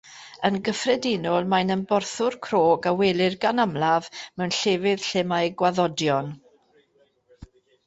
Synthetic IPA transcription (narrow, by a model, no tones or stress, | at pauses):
ənɡəfrɛdɪnɔlˠmajnənbɔrθʊrkʰroːɡawɛlˠɪrɡanamlˠavmɛwnɬeːvɪð̥ɬɛmajɡwaðɔdjɔn